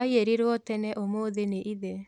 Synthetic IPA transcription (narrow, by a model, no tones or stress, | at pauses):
aieɾiɾwɔtɛnɛʔomoðeneʔiðɛ